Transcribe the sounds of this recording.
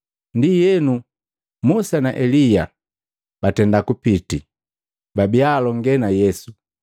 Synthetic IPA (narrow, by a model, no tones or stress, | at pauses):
ndijɛnu | musanaʔɛlija | b̥atɛndakupiti | babialɔŋɡɛnajɛsu